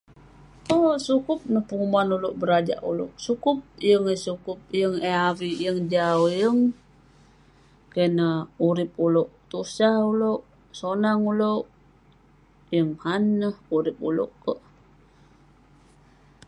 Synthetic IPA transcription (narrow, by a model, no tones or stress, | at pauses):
osukʊp̚nəhpəumanuloʔbəɾad͡ʒa̰ʔulo̰ʔsukʊp̚jəŋesukʊp̚jəŋeawijəŋd͡ʒaujəŋ | kenəuɾɪp̚uloʔt̪usauloʔ | sonaŋuloʔ | jəŋhanːəhuɾɪp̚ṵlo̰ʔkəʔ